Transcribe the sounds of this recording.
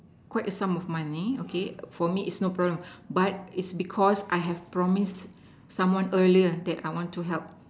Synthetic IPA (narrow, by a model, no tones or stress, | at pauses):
kwaɪtəsãmɔfmãniokʰefɔmiʔɪtsnopɹɔblə̃mbat̚itsbikʰɔsʔajɦɛfpɹɔmist | sãmwãnəliədɛta̰jwɔ̃ntːuɦɛlp̚